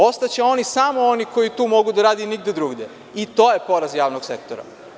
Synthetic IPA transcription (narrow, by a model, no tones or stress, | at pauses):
o̞st̪at͡ɕeo̞nisamo̞oniko̞jit̪uːmo̞ɡud̪aɾaːd̪iniɡ̚d̪ed̪ɾuːɡd̪e | it̪o̞ːjepo̞ɾazjaːʋnoɡsekt̪oɾa̰